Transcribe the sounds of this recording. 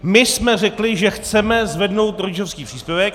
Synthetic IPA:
mɪsmɛr̝ɛklɪʒɛxt͡sɛmɛzvɛdno̞wt̪ɾoɟɪʒofskiːpr̥iːspjɛvɛk

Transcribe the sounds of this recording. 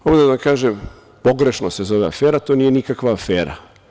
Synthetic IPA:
omnd̪ad̪akaːʒem | po̞ɡɾe̞ʃnose̞zo̞ʋea̰feːɾat̪o̞nije̞nikakʋaːfeːɾa̰

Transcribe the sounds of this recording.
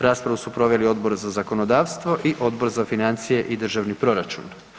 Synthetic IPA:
ɾaːspɾaʋusupɾo̞ʋe̞lio̞d̪bo̞ɾzazako̞no̞d̪aːʋst̪ʋo̞ʔiʔo̞d̪bo̞ɾzafinant̪sijeʔid̪r̩ʒaʋnipɾo̞ɾat͡ʃṵn

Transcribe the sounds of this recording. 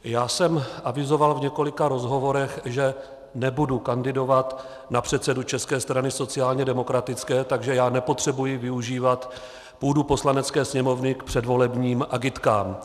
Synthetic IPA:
jaːsɛmʔavɪzo̞valvɲɛko̞lɪkaɾo̞zɦo̞vo̞ɾɛxʒɛ | nɛbudukandɪdo̞vat̪ | napr̝̥ɛt̪t͡sɛdut͡ʃɛskɛːst̪ɾanɪso̞t͡sɪaːlɲɛdɛmo̞kɾat̪ɪt͡skɛːt̪aɡʒɛjaːnɛpo̞t̪r̝̥ɛbujɪvɪuʒiːvat̪ | puːdupo̞slanɛtt͡skɛːsɲɛmo̞vnɪkpr̥ɛdvo̞lɛbɲiːmʔaɡɪt̪ka̰ːm

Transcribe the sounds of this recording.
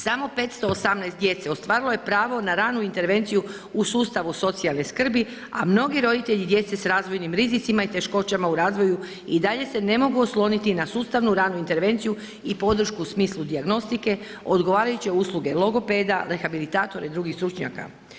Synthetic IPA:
samo̞pe̞ːt̪st̪o̞ːsamnɛjst̪d̪je̞t̪seost̪ʋaːɾilˠo̞je̞pɾaːʋo̞naɾaːnuint̪e̞ɾʋe̞nt̪siju | usuːst̪aʋuso̞t̪sialˠneskr̩bi | a̰mno̞ɡiɾo̞d̪it̪e̞ʎid̪je̞t̪se̞sɾaːzʋo̞jnimɾizit̪simait̪e̞ʃko̞t͡ɕamauɾaːzʋo̞ju | id̪aʎe̞se̞ne̞mo̞ɡuoslˠo̞nit̪inasuːst̪aʋnuɾaːnuint̪e̞ɾʋe̞nt̪siju | ipo̞d̪r̩ʃkuːsmiːslˠud̪iaɡno̞st̪ike̞ | o̞d̪ɡo̞ʋaːɾajut͡ɕeusluɡe̞lˠo̞ɡo̞pe̞d̪ale̞xabilit̪aːt̪o̞ɾeid̪ɾuɡixst̪ɾut͡ʃɲa̰ka̰

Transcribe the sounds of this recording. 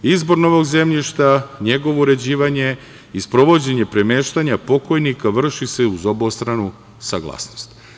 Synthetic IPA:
izbo̞ɾno̞ʋo̞ɡze̞mʎiʃt̪aɲe̞ɡo̞ʋo̞uɾe̞d͡ʑiːʋaɲe̞ | ispɾo̞ʋo̞d͡ʑe̞ɲe̞pɾe̞me̞ːʃt̪aɲapo̞ko̞jnikaʋr̩ʃise̞uzo̞bost̪ɾanu | sa̰ɡlˠa̰ːsnost̪

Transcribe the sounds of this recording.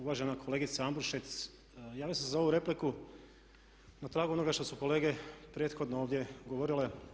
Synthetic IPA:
uʋaːʒe̞nakʰo̞le̞ɡit̪saambuɾʃet̪s | jaːʋjoseszao̞ʋuɾe̞pliku | nat̪ɾaːɡuo̞no̞ɡaʃt̪o̞suko̞le̞ːɡe̞pɾje̞t̪xo̞d̪nooːʋd̪je̞ɡo̞ʋo̞ɾile̞

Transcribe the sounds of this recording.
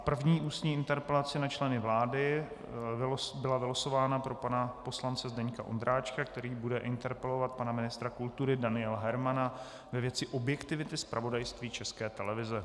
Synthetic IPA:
pr̩vɲiːʔuːst̪ɲiːɪnt̪ɛɾpɛlat͡sɪnat͡ʃlɛnɪvlaːdɪ | bɪlavɪloso̞vaːnapɾo̞panapo̞slant͡sɛzdɛɲka̰ʔo̰nd̪ɾaːt͡ʃkak̚t̪ɛɾiːbudɛʔɪnt̪ɛɾpɛlo̞vat̪̚panamɪnɪst̪ɾakult̪uɾɪdanɪɛlɦɛɾmana | vɛvjɛt͡sɪʔo̞bjɛkt̪ɪvɪt̪ɪspɾʔavo̞dajst̪viːt͡ʃɛskɛːt̪ɛlɛvɪzɛ

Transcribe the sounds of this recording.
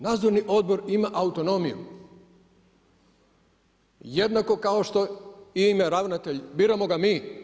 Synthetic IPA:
naːd̪zo̞ɾniʔo̞d̪̚bo̞ɾimaʔaut̪o̞no̞mijṵ | jed̪nako̞kaoʃt̪o̞imeɾaʋnat̪eʎbiːɾamo̞ɡamiː

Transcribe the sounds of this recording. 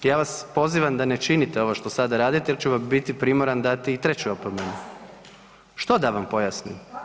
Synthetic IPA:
jaːʋaspo̞ziʋamd̪ane̞t͡ʃinit̪eo̞ʋoʃt̪o̞sad̪aɾaːd̪it̪ejet͡ɕuʋambit̪ipɾimoɾand̪at̪iːt̪ɾet͡ɕuopomenu | ʃt̪o̞d̪aʋampo̞jasnḭm

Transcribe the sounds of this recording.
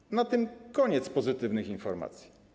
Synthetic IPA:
nat̪ɘmkɔɲɛt̪spɔzɘt̪ɘvnɘxinfɔɾma̰t̪sʲji̥

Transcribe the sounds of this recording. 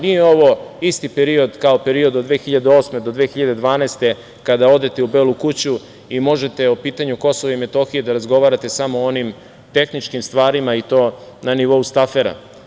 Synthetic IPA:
nijeo̞ʋo̞ist̪ipeɾio̞d̪kaope̞ɾio̞d̪od̪ʋe̞ːxiʎad̪eo̞ːsme̞d̪od̪ʋeːxiʎad̪e̞d̪ʋaːnaːst̪e̞ | kad̪ao̞d̪e̞t̪e̞ubeːlukut͡ɕu | imo̞ʒe̞t̪e̞opiːt̪aɲuko̞soʋaimet̪o̞xije̞d̪aɾazɡo̞ʋaɾat̪e̞samoonim | t̪e̞xnit͡ʃkimst̪ʋaːɾimait̪o̞ːnaniʋo̞ust̪afe̞ɾa̰

